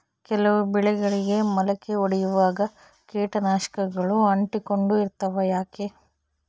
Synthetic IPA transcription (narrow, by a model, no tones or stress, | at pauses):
kɛlɐʋubɛɭɛɡɐɭiɡe̞mɐlɐkːeoɽɛjuʋaːɡɐ | keːʈɐnaːʃɐ̥kɐɡɐɭuɐɳʈiko̞ɳɖuiɾt̪ɐʋɐjaːke